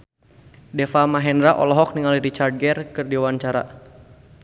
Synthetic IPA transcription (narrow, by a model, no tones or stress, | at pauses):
dɛfamaɦɛndɾaʔɔ̰lɔɦɔk̚niŋaliɾit͡ʃar̚ɡɛrkɨrdiwaɲt͡ʃaɾa̰